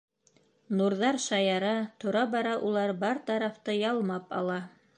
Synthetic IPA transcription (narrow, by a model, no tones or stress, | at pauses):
nuɾðɑɾʃɑjɑɾɑt̪ŏɾɑbɑɾɑʔulˠɑɾbɑɾt̪ɑɾɑft̪ɤjɑlˠmɑpɑ̰lˠɑ